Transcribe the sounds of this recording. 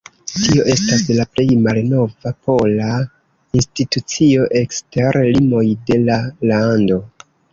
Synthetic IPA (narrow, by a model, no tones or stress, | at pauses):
tio̞ʔe̞staslaple̞jmalno̞vapo̞la | institut͡sio̞ʔe̞ksteɾlimo̞jde̞lalando̞